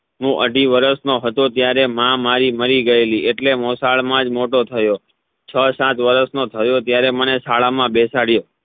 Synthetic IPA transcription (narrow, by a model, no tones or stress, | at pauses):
ɦũʔə̰ɖʱiʋəɾəsnoɦət̪ot̪jaɾemãmaɾiməɾiɡəelieʈlemosaɭmãd͡ʒmoʈot̪ʰəjo | t͡ʃʰəsãt̪ʋəɾəsnot̪ʰəjot̪jaɾemənesaɭamãbesaɽjo